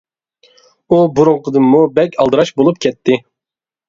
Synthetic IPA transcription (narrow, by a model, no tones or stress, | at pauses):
ubuɾuŋqʊd̪ɨmːubɛkʲɑlˠd̪ɨɾɑʃbolˠup̚kʲʰɛt̪ʰːɪ